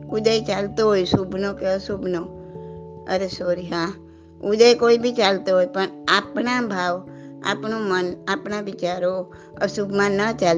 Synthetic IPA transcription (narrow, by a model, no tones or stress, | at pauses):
ʊd̪əjt͡ʃalt̪oɦojsubʱnokeəsubʱno | ə̰ɾesoɾiɦã | ʊd̪əjkoːibʱit͡ʃalt̪oɦojpəɳaːpnabʱaːʋ | a̰ːpnomənaːpnaʋɪt͡ʃaɾo | əsubʱmãnət͡ʃal